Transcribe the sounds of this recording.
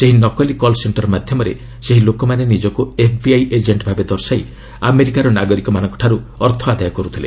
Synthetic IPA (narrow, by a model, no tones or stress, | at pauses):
seɦinɔkɔlikɔlseɳʈɔɾmad̪ʱjɔmɔɾḛ | seɦilokɔmanenid͡ʒɔkuepʰbiajʔed͡ʒeɳʈbʱabed̪ɔɾsai | ameɾikaɾɔnaɡɔɾikɔmanɔ̃ŋkɔ̥ʈʰaɾuɔɾt̪ʰɔad̪ajɔkɔɾut̪ʰilḛ